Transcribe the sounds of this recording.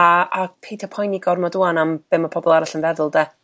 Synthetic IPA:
aapʰejtʰapʰɔjniɡɔrmɔduanamb̥ɪmɔpʰɔbɔlˠaɾaɬənvɛðʊlˠdɛ

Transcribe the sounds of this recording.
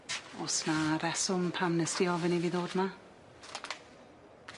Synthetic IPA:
ɔsnaɾɛsʊmpʰamnəstiɔvəniviːðoːdma

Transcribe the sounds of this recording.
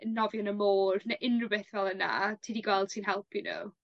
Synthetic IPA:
ənːɔvjɔnəmoːrnaʔɪnrəbɛθvɛlˠəna̰tʰiːdiɡwɛlˠd̥siːnɦɛlˠpʰinə̰

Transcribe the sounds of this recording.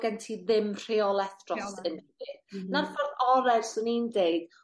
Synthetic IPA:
ɡ̥ɛntʰiðɪmr̥eɔlˠɛθrɔstʰənɛvɪθnarfɔrðɔɾɛrsunindeɨd̥

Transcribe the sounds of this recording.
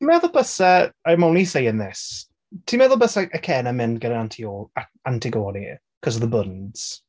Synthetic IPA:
imɛðʊlˠb̥əsaajmawnisejənðɪs | tʰimɛðʊlˠbəsaʔəkʰɛːnəmɪndɡədənantʰioːla | antʰiɡɔːɾi | kʰɔs̬əvðəbʊndz̥

